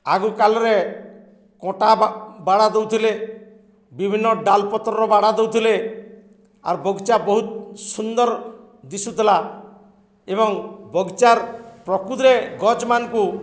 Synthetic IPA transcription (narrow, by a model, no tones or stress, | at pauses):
aɡukalɔɾe | kɔ̃ʈabaɽad̪ewt̪ʰile | bibʱinːɔɖalpɔt̪ɾɔɾɔbaɽad̪ewt̪ʰile | a̰ɾbɔɡt͡ʃabɔɦut̪̚sund̪ɔɾ | d̪isut̪ila | ebɔŋbɔɡt͡ʃaɾpɾɔkud̪ɾeɡɔd͡ʒmanɔku